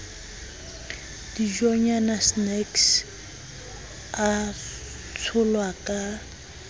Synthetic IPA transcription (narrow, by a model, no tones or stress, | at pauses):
d̥id͡ʒɔɲanasnɛks | a | t͡sʰʊlwakʼa